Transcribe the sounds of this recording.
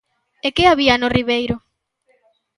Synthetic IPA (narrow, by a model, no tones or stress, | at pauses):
ekeaβianʊriβejɾʊ